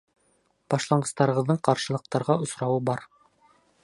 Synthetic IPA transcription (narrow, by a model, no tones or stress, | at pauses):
b̥ɑʃlˠɑɴɢɤ̆st̪ɑɾɤ̆ʁɤ̆ðːɤɴqɑɾʃɤ̆lˠɤ̆q̚t̪ɑɾʁɑŏsɾɑwɤbɑɾ